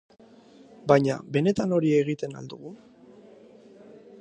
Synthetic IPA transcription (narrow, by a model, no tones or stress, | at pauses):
bajɲa̰be̞ne̞t̪ano̞ɾie̞ɣ̞it̪e̞na̰ld̪uɣu